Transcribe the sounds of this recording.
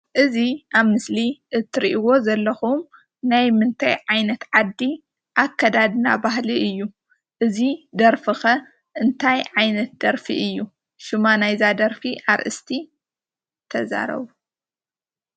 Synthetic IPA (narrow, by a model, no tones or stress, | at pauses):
ʔɨziʔaβmɨsliʔɨt̪ʰːɨɾiʔiwo̞zɐlːɐxum | najmɨnt̪ʰa̰jʕajnɐt̪ʕad̪ːi | ʔakʰːɐd̪ad̪ɨna̰baɦliɨjːu | ʔɨzid̪ɐɾfɨxɐ | ʔɨnt̪ʰajʕajnɐt̪̚d̪̥ɐɾfiʔɨjːu | ʃumanajzad̪ɐɾfiʔaɾʔɨ̰st̪ʰi | t̪ʰɐza̰ɾɐ̰βu